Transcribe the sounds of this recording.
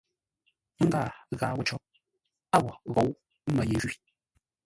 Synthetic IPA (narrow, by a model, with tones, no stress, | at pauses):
ŋ̩˦ɡa˦˨ɣa̰˨˦wu˦t͡ʃɔ˦p̚ | a˦˨wɔ˨ɣo˨˦w̩˦ | mə˨je˨ʒi˦